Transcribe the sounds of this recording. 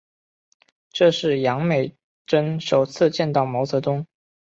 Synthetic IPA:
ʈ͡ʂɤ˥˧ʂɻ̩˥˩jɑ˧˥ŋme˨˩ɪ | ʈ͡ʂə˥nʂo˨˩ʊt͡sʰɹ̩˥˧t͡ɕjɛ˥˧nt̪ɑ˥˩ʊmɑ˧˥ʊt͡sɤ˧˥t̪ʊ˥ŋ

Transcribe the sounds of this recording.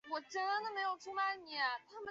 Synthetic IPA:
wɔ˨˩ʈ͡ʂə˥nd̪ə˨˥nd̪ə˨me˧˥ɪjo˨˩ʊʈ͡ʂʰu˥ŋma˧˥˦nni˨˩ɐ˦t̪ʰa˥mə˨

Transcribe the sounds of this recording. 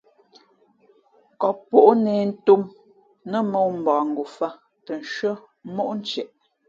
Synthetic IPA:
kɔ˨pːo˦˨ʔneː˨n̩˦tu˦m | nə˦mo˦˨wm̩˨bɔ̃ː˨ŋ˨ɡu˨fa˦ | tə˨n˨ʃɰə˦ | mo˦ʔn̩˦t͡ʃɛ˨ʔ

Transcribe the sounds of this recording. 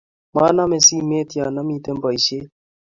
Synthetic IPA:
ma˦na˦me˨si˦˨me˦˨ti˨a˨na˦mi˦te˦m˦bɔ˨i˨ʃe˦

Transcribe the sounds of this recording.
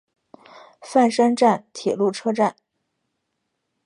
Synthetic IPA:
fa˥˧nʂə˥nʈ͡ʂa˥˩nt̪ʰjɛ˨˩lu˥˩ʈ͡ʂʰɤ˥ʈ͡ʂa˥˩n

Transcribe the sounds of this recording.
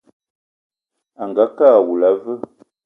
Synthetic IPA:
a˨ŋɡa˨˦kaː˦˨wu˨la˨˦və˦

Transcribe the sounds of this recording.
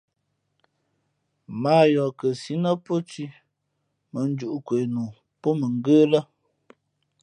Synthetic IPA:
maː˦jɔ˨kə˨si˨˦nə˦po˦t͡ʃi˦ | mə˨n˦d͡ʒu˨ʔkwe˨nuː˨ | po˦mə˨ŋ˦˨ɡəː˦lə˦

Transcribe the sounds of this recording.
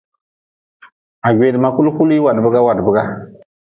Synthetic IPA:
a˨ɡe˨dɨ˨ma˦ku˦lku˦li˦wa˨dbɨ˦ɡa˦wa˨dbɨ˨ɡa˦

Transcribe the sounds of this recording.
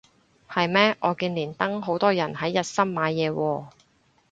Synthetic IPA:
hɐ˨jmɛː˥ʔɔː˨˧kiː˧nliː˨˩nt̪ɐ˥ŋɦo˨˥wt̪ɔː˥jɐ˨˩nɦɐ˨˥jːɐ˨t̚sɐ˥mmaː˨˧jːɛː˨˧wɔː˧

